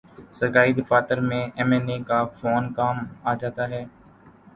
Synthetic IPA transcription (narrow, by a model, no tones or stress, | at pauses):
səɾkaːɾiːd̪ɪfaːt̪əɾmẽːʔɛːmɛːneːkaːfoːnkaːmaːd͡ʒaːt̪aːɦɛː